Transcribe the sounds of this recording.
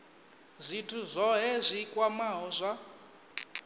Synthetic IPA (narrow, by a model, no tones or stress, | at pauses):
zʷitʰuzʷɔɦɛzʷikʼwamaɦɔzʷa